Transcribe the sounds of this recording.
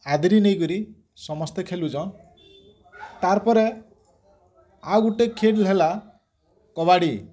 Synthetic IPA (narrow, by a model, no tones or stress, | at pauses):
ad̪ɾinejkɔɾi | sɔmɔst̪ekʰelud͡ʒɔ̃ | t̪aɾpɔɾe | awɡuʈekʰeɖlɦela | kɔβaɽi